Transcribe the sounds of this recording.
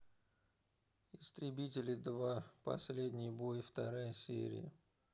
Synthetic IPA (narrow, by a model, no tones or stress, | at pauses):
ɪst̪ɾʲɪbʲitʲɪlʲɪd̪vapɐ̰sʲlʲedʲnʲɪjbojft̪ɐɾajəsʲḛɾʲɪ̰jə̰